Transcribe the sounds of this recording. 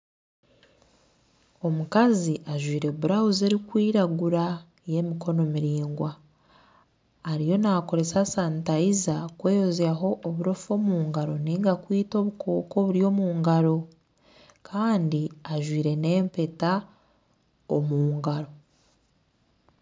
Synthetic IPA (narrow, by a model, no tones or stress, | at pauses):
o̞mukaziʔaʒwiːɾe̞βuɾahuze̞ɾikwiːɾaɡuɾa | je̞mikʰo̞no̞miɾiːŋɡwa | ɾijo̞nako̞ɾe̞sasantaizakweːjozjaɦo̞ʔːβuɾo̞fo̞ːmuːŋɡaɾo̞neŋɡakwiːto̞βukʰoːko̞βuɾjo̞ːmuːŋɡaɾo̞ | kʰaːndiaʒwiːɾe̞ne̞ːmpe̞ta | omuːŋɡaɾo̞